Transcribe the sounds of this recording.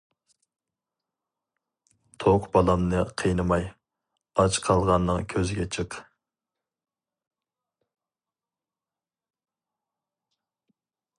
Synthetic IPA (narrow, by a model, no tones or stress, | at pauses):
t̪ʰoqbɑlˠɑmnɨqʰəjnɨmɑj | ɑt͡ʃqʰɑlˠʁɑnːɨŋkʲʰøzɪɡʲɛt͡ʃʰɨq